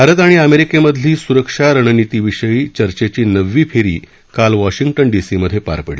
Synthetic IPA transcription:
bʱaɾət̪̬aɽ̃iəmeɾikeməd̪ʱliːsuɾəkʂaɾəɳ̃ənit̪iːʋiʂəjiːt͡ɕəɾt͡ɕet͡ɕiːnəʋːiːpʰeɾḭː | kalʋɔɕiŋɡʈənɖisiməd̪ʱjepa̰ɾpəɽi

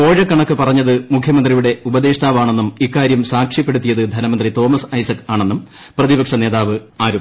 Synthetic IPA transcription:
po̞ːɻɐkːɐɳɐkːɨpɐrɐɲːɐðɨmukʰjɐmɐnd̪rijuɽe̞ubɐd̪e̞ːʂt̪aːʋaːɳe̞nːumikːaːɾjɐmsaːkʂipːe̞ɽut̪ːijɐðɨd̪ʱɐnɐmɐnd̪rit̪o̞ːmɐsɐjsɐkːaːɳe̞nːum | prɐðibɐkʂɐneːðaːʋɨaːɾu

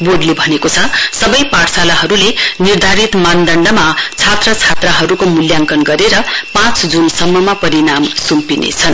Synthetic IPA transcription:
boɖlebʱʌnekot͡sʰʌsʌbʌjpaɽsalaɦʌɾulenird̪ʱaɾit̪mand̪ʌɳɖʌmat͡sʰat̪rʌt͡sʰat̪rʌɦʌɾukomuljaŋkʌnɡʌɾeɾʌpãt͡sd͡zunsʌmːʌmapʌɾinamsumpinḛt͡sʰʌn

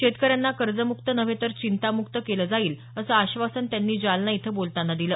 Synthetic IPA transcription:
ɕet̪kəɾjanːakəɾd͡zəmukt̪ənəʋẽt̪əɾt͡ɕint̪amukt̪əkeləːd͡zaiːl | əsəaɕʋasənt̪janːiːd͡ʑalnait̪ʰəbolt̪anːad̪iləː

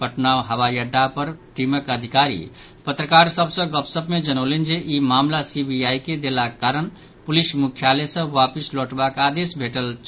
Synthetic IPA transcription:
pəʈnawɦəwajəɖːapəɾʈiməkəd̪ʱikaɾḭ | pət̪ɾəkaɾsəbsə̃ɡəpsəbmed͡ʒənəlend͡ʒeʔimamlasibʱiajked̪elakaɾən | pulismukʰjalesə̃wapisloʈbakad̪esbʱeʈəlt͡ʃ

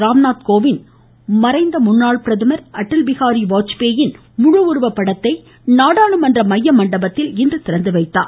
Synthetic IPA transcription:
ɾaːmnaːt̪̚koːʋɪn | mɐɾɐɪnd̪ɐmʊnːaːɭpɪɾɐðɯmɐɾʔɐʈːɯlʋɪɣaːɾiʋaːt͡ʃpeːjɪn | mʊɻʊʋʊɾʋɐpːɐɽɐt̪ːɐɪ | naːɽaːɳɯmɐndrɐmɐjːɐmɐɳɖɐbɐt̪ːɪlɪndrɯt̪ɪɾɐnd̪ɯʋɐɪt̪ːa̰ː

